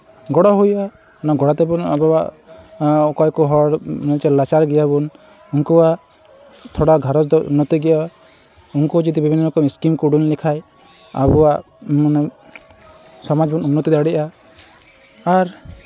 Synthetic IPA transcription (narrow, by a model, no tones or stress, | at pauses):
ɡɔɽɔɦujʔa | naɡɔɽat̪ɛbunabɔwa̰ʔ | kɔjkɔɦɔɽnɔt͡ʃɛlat͡ʃaɾɡɛjabun | uŋkɔwa | t̪ʰɔɽaɡʱaɾɔt͡ʃd̪ɔunːɔt̪iɡɛɔ | uŋkɔd͡ʒid̪ibibʱinːɔlɔkɔmiskimkuɽunlɛkʰaj | a̰bɔwaʔ | n | sɔmad͡ʒbɔnumnɔt̪id̪aɽiʔa | ɾ